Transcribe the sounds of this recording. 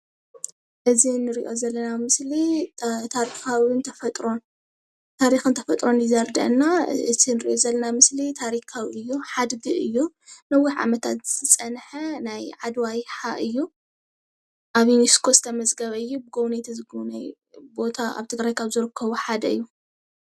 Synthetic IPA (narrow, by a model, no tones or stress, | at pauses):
ʔɨzinɨɾḭʔo̞zɐlːɐnamɨslit̪ʰaɾixawint̪ʰɐfɐt̪ʼɾo̞n | t̪ʰaɾixɨnt̪ʰɐfɐt̪ʼɾo̞njizɐɾd̪ɐ̰ʔnːaɨt̪ʰinɨɾḭʔozɐlːɐnamɨslit̪ʰaɾikʰawiɨjːuħad̪ɡɨʔɨjːu | nɐwiħʕa̰mɐt̪ʰat̪zɨ̥t̪ʰɨt͡sʼɐnħɐnajʕad̪wajħaʔɨjːu | ʔaβiniskʰo̞sɨ̥t̪ʰɐmɐzɡɐβɐɨjːubɨɡownejt̪ʰɐzɨɡunaj | bo̞t̪ʰaa̰βt̪ʰɨɡɾajkʰaβzɨɾɨkʰːɐβuħad̪ɐɨ̰jːu